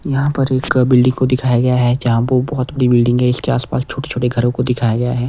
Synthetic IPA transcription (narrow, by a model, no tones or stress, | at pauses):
jɐɦãpɐɾeːkbɪlɖɪ̃ŋɡkod̪ɪkʰaːjaɡɐjaɦɛd͡ʒɐɦãbobɐɦʊt̪bɐɽibɪlɖɪ̃ŋɡɦɛɪskeaːspaːst͡ʃʰoːʈe̥t͡ʃʰoːʈeɡʱɐɾõkod̪ɪkʰaːjaɡɐjaɦɛː